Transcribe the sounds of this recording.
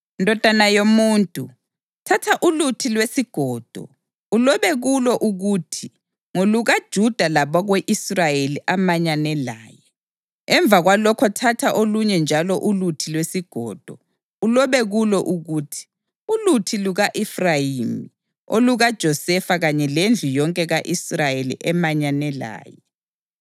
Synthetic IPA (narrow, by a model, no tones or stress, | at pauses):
ndʱɔd̥ʱanajomuːntʼu | tʰatʰaʔulutʰilwesiɡ̥ʱɔːd̥ʱɔ̰ | ulɔβɛɣulɔʔuɣuːtʰi | ŋoluɣad̥ʒ̥ʱud̥ʱalaβɔɣweʔisrajeliʔamaɲanɛlaːjɛ | ɛɱb̪vʱaɣwalɔkʰɔtʰatʰaʔoluɲɛnd͡ʒʱalɔʔulutʰilwesiɡ̥ʱɔːd̥ʱɔ | ulɔβɛɣulɔʔuɣuːtʰi̥ | ulutʰiluɣaʔɛfrajimi | o̰luɣad̥ʒ̥ʱɔsɛfaɣaɲɛlend͡ɮʱujɔŋkʼɛɣaʔisrajelḭʔɛmaɲanɛla̰ːjɛ